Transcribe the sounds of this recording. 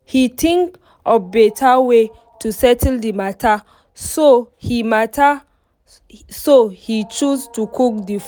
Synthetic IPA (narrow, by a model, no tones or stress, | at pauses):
hitʰĩŋk | ɔbetʰawe | tusɛtʰldimatʰa | sohimatʰa | sohit͡ʃustukuk̚dif